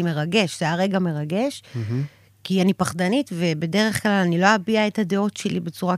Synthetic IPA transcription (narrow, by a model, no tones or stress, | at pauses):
ime̞ʁaɡe̞ʃz̥eaʁe̞ɡame̞ʁaɡe̞ʃ | kianipaχdanitve̞be̞de̞ʁe̞χklalanilo̞abiae̞thad̪e̞o̞tʃe̞libe̞t͡suʁa